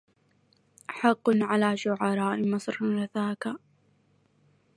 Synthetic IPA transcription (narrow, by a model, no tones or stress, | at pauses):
ʔħɑqːʊnʕalaːʃʊʕɑɾˤɑːʔɪmɑsˤɾɾɑθaːka